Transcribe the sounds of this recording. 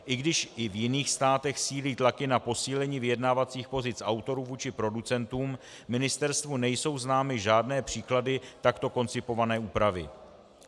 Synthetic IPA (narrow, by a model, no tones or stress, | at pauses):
ʔɪɡdɪʃʔɪvjɪniːxst̪aːt̪ɛxsiːliːt̪lakɪnapo̞siːlɛɲiːvɪjɛdnaːvat͡siːxpo̞zɪt͡sʔawt̪o̞ɾuːvuːt͡ʃɪpɾo̞dut͡sɛnt̪uːm | mɪnɪst̪ɛɾst̪vunɛjso̞wznaːmɪʒaːdnɛːpr̝̥iːkladɪt̪akt̪o̞ko̞nt͡sɪpo̞vanɛːuːpɾavɪ̰